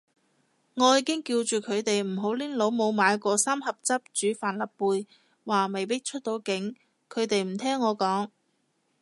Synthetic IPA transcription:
ŋɔː˨˧jiː˨˧kɪ˥ŋkiː˧wt͡ʃyː˨kʰɵ˨˧ɥt̪e˨jm̩˨˩ɦo˨˥wliː˥nlo˨˧˥wmo˨˧wmaː˨˧jkɔː˧saː˥mhɐ˨p̚t͡sɐ˥p̚t͡ʃyː˨˥faː˨nlɐ˨pːuː˨˧j | waː˨˩me˨jpɪ˥k̚t͡ʃʰɵ˥t̚t̪o˨˧wkɪ˨˥ŋ | kʰɵ˨˧ɥt̪e˨jm̩˨˩t̪ʰɛː˥ŋːɔː˨˧kɔː˨˥ŋ

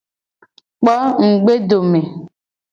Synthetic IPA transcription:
k͡pɔ˦ŋ̩˨ɡ͡be˦do˨me˨

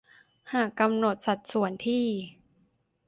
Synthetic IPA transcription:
haː˨˩kːa˧mno˨˩t̪̚sa˨˩t̪̚su˨˩˦ənt̪ʰiː˥˩

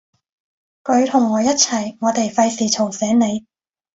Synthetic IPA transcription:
kɵ˨˧ɥt̪ʰʊ˨˩ŋːɔː˨˧jɐ˥t̚t͡sʰɐ˨˩jŋɔː˨˧t̪e˨jfɐ˧jsiː˨˩t͡ʃʰo˨˩wsɛː˨˥ŋne˨˧j

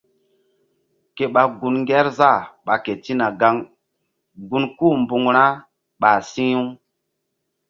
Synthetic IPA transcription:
ke˨ɓa˨ɡu˨nŋɡɛ˦ɾza˦˨ɓa˨ke˨ti˦na˨ɡa˦ŋ | ɡu˨nku˦˨mbu˨ŋɾa˦ | ɓa˨si˦ju˦ŋ

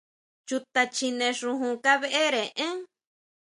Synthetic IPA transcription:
t͡ʃu˧t̪a˧t͡ʃi˧nẽ˧ʂũ˧ɦũ˧ka˦βe˦ʔe˦ɾẽ˨ʔẽ˦

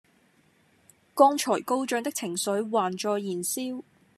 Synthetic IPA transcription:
kɔː˥ŋt͡ʃʰɔː˨˩jko˥wt͡ʃœː˨˧ŋt̪ɪ˥k̚t͡sʰɪ˨˩ŋsɵ˨˥ɥwaː˨nt͡ʃɔː˧jːiː˨˩nsiː˥w

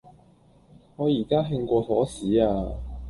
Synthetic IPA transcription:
ŋɔː˨˧jiː˨˩kaː˥ɦɪ˧ŋkʷɔː˧fɔ̰ː˨˥siː˨˥aː˧

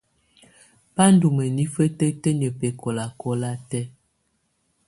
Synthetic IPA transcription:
pa˦n˦du˨mə˨ni˦fə˦tə˦tə˦ɲə˨pe˨kɔ˨la˨kɔ˦la˦tɛ˦

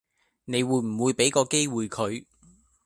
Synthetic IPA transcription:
ne˨˧jwuː˧jm̩˨˩wuː˨˧jpe˨˥jkɔː˧ke˥jwuː˨˧jkʰɵ˨˧ɥ

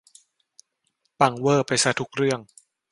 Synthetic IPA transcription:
pa˧˩ŋwɤː˥˩pa˧jsa˧˩t̪ʰu˦˥k̚ɾɯ˥˩əŋ

